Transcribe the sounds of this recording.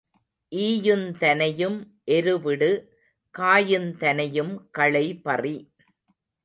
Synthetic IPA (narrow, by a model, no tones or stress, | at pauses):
ʔiːjɯnt̪ɐnɐjɯm | ʔɛɾɯʋɪɽɯ | kaːjɯnt̪ɐnɐjɯmkɐɭɐɪpɐri